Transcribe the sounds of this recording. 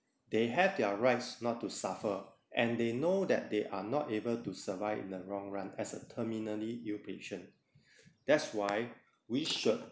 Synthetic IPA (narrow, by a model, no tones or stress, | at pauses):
deɦɛvdɛɹaɪtsnɔtːusafə | ʔɛ̃ndenodɛ̰t̚deʔanɔtebəltusəvaɪvḭ̃nəɹɔ̃ŋɹãnɛsətʰəminəliilpeʃə̃n | d̥ɛtswaɪ | wiʃud̚